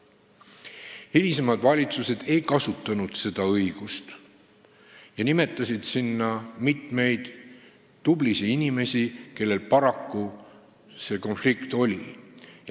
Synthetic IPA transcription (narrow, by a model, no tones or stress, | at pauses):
ilis̬emɑd̪vɑlʲit̪suse̞d̪̥e̞jkɑsut̪ˑːɑnud̪̥se̞d̪̥ɑɤjɡ̥ust̪ | jɑnime̞t̪ːˑɑsid̪̥sinːɑmit̪me̞jd̪̥ː | ublisiinime̞sʲike̞lːe̞lpɑɾɑkːu | se̞ko̞nflikt̪o̞lʲḭ